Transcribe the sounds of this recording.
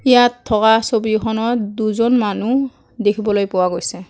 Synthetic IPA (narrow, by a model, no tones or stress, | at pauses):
ijatʰːɔkasobikʰɔnɔɹduzɔnmanu | dekʰibɔlojpʊwaɡojsɛ